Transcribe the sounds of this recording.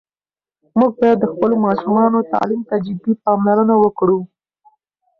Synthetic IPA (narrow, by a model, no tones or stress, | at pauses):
muɡ̚bɑjad̪ːəxpəlomɑʃumɑnot̪ɑ̰limt̪ad͡ʒɪbipɑmlaɾənawəkɽu